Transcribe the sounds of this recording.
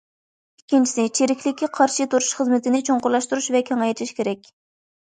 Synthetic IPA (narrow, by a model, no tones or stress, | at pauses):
ikʲʰːint͡ʃʰi̥sɪt͡ʃʰeɾɪkʲʰlɪkʲʰːiqʰɑɾʃit̪uɾuʃχəzmɪt̪ʰɪnɪt͡ʃʰoŋqʊɾlˠɑʃt̪uɾuʃvɛkʲʰɛŋɑjt̪ʰɪʃkʲeɾɛkʲ